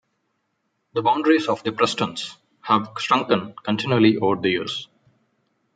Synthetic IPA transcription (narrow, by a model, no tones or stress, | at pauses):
d̪əbãʊ̃ɳɖɾizɔːʋd̪ipɾɛsʈə̃ns | hæʋsʈɾʌ̃ŋkə̃nkə̃nʈɪ̃njuəliʔoːɖ̚d̪əjṵːs